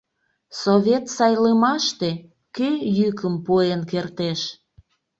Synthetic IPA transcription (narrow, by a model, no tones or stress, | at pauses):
soβʲet̪sɑjləmɑʃt̪e | kejykəmpuenkert̪eʃ